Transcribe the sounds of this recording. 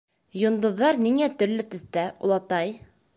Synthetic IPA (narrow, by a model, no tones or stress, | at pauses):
jŏnd̪ɤ̆ðːɑɾniŋæt̪ɵ̆ɾlɵt̪ɵ̆θt̪æṵ̆lˠɑt̪ɑj